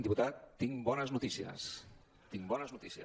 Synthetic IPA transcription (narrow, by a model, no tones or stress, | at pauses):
nd̪iput̪at̪ːiŋbɔnəznut̪isiə̰s | t̪iŋbɔnəznut̪isiə̰